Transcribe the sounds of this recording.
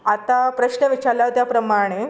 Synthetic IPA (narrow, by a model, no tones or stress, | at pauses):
at̪apɾəɕnəʋit͡ɕalaʋt̪japɾəmaɽ̃e